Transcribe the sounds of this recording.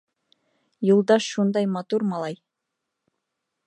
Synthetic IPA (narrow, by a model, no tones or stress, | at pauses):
julˠd̪ɑʃːund̪ɑjmɑt̪uɾmɑlˠɑj